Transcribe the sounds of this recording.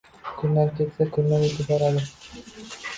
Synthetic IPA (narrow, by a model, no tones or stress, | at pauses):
kʰɵnːaɾkʰʲet̪sakʲʰɵnːaɾɵt̪ʰɪp̚bɒɾad̪ɪ